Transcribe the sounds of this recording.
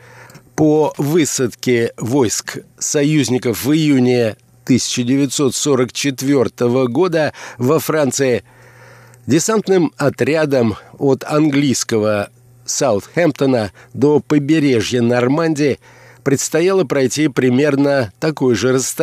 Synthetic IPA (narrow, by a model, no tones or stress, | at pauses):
povɨsət̪kʲɪvo̞jsksɐjʉzʲnʲɪkəfvɨjunʲɪ | t̪ɨsʲɪ̥t͡ɕɪdʲɪvʲɪt̪so̞t̪so̞ɾəkt͡ɕɪt̪vʲo̞rt̪əvəɡo̞d̪əvɐfɾant̪sɨɪ | dʲɪsant̪nɨmɐt̪ɾʲad̪əmot̪ɐnɡlʲijskəvə | saʊt̪xʲɛmpt̪ənəd̪o̞pəbʲɪɾʲe̞ʐjənəɐrmanʲdʲɪɪ | pɾʲɪt̪st̪ɐjalˠəpɾɐjtʲipɾʲɪmʲe̞rnət̪ɐko̞jʐɨɾəst̪